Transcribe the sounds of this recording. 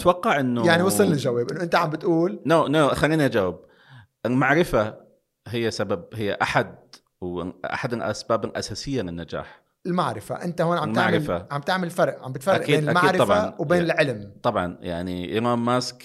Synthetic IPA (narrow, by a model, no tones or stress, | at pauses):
t̪wɑqːɑʕʔɪnːʊjaʕniwɑsˤɨlnɪld͡ʒaweːbʔɪnːʊʔɪnt̪aʕambɪt̪ʔuːlnoːnoːʔaxaniːniʔad͡ʒawab̚ | ʔɪlmaʕɾɪfa | ɦɪjːasabab̚ɦɪjːa̰ʔaħad̪ | wʔa̰ħad̪ʔa̰sbaːbʔa̰saːsɪjːalɪnːad͡ʒa̰ːħ | ɪlmaʕɾɪfa̰ʔɪnt̪ahoːnʕamlmtaʕɾɪfaʕambt̪aʕmɪlfɑɾˤʔʕambɪt̪faɾʔaːkiːd̪ʔamaːɾɪˤɑbʕaɑnwbeːnɪlʕɪlmt̪ˤɑbʕɑ̰nja̰ʕniʔḭɾaːmːask